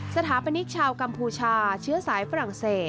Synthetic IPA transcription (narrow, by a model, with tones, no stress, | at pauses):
sa˧t̪ʰaː˩˦pa˧ni˦˥k̚t͡ɕʰaː˧wka˧mpʰuː˧t͡ɕʰaː˧t͡ɕʰɯ˦˥ɐsaː˩˦jfa˧ɾa˨˩ŋseː˨˩t̪̚